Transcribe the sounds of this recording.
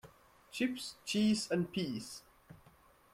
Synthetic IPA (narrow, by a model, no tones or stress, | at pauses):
t͡ʃʰɪpst͡ʃʰiːzə̃n̚pʰiːs